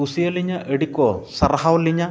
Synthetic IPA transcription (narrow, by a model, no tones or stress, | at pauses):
usijɐlːiɲːɐʔeɽikːoːsɐrɐɦawɐlːiɲːɐ